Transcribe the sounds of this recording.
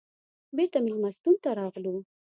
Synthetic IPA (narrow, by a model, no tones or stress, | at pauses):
beɾt̪amɪmast̪unt̪aɾɑɣlu